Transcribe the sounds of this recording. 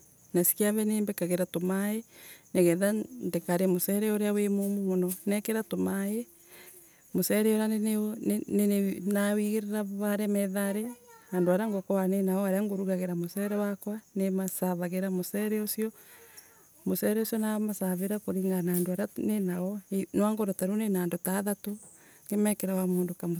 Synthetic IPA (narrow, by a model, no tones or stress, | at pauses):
nasi̥keaβɛneːmbɛkaɣeɾatomaeneɣɛːðandekaɾemosɛɾɛoɾeawemomomonɔnɛkeɾatomae | mosɛɾɛoɾeane | nenenawiɣeɾeɾaβaɾɛmɛðaɾeandoaɾaŋɡokɔanenaɔaɾeaŋɡoɾuɣaɣeɾamosɛɾɛwakwanemasaβaɣeɾamosɛɾɛosiɔ | mosɛɾɛosjɔnamasaβeɾakoɾiŋɡanaːndoaɾanenaɔenwaŋɡoɾɔtaɾonenaːndotaðato | ŋɡemɛkɛɾawamoːndokamo